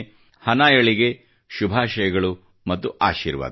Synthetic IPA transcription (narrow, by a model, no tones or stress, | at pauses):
hɐnaːjɐɭiɡe̞ | ʃubʱaːʃɐjɐɡɐɭu | mɐt̪ːuʔaːʃḭːɾʋa̰ːd̪